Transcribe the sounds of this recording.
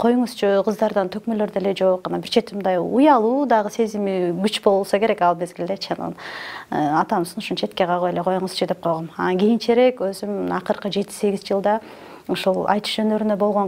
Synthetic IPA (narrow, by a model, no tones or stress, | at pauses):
qʰo̞juɴuz̥t͡ʃʰuqʰɯzd̪ɑɾd̪ɑnt̪ʰø̞kmølø̞ɾd̪ele̞d͡ʒo̞q̚ːɑnɑbiɾt͡ʃʰet̪ːimnd̪ɑjujɑlˠuːd̪ɑʁɯse̞zimiɡyt͡ʃbo̞lˠulˠsɑke̞ɾe̞kɑlˠme̞zɡilʲd̪et͡ʃʰɑnɑ̰n | ɑt̪ɑmsɯnuʃunt͡ʃʰe̞t̪ke̞ʁʰɑʁojeleqʰo̞juɴɯzt͡ʃʰud̪e̞p̚qʰo̞jʁomɑnɑnɡʲijint͡ʃeɾe̞kø̞zymɑqɯɾqɯd͡ʒe̞t̪i̥se̞ɡʲizd͡ʒɯlˠd̪ɑ | oʃulˠɑ̰jt̪ɯ̥ʃd͡ʒø̞nø̞ɾynø̞bo̞lˠʁo̞n